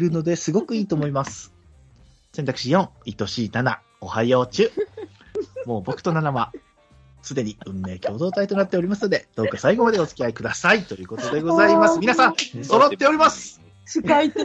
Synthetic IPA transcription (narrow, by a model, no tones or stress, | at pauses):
ɾɯ̟no̞d̪e̞sɨɡo̞kɯ̟iːt̪o̞ːmoimasɨ̥ | se̞nt̪akɯ̟̥ɕijõ̞ŋ̃it̪o̞ɕinana̰ | o̞haioːt͡ɕɨː | mo̞ːbo̞kɯ̟̥o̞nanama | sɨd̪e̞ɲ̟iɯ̟̃nːe̞ːkʲo̞ːd̪o̞ːt̪ait̪o̞nat̪ːe̞o̞ɾʲimasɨno̞d̪e̞d̪̥o̞ːkasaiɡo̞mad̪e̞o̞t͡sɨ̥kʲiaikɯd̪asait̪o̞jɯ̟ːko̞t̪o̞d̪e̞ɡo̞zaimasɨmʲinasãŋso̞ɾo̞t̪ːe̞o̞ɾʲimasɨ̥ | iai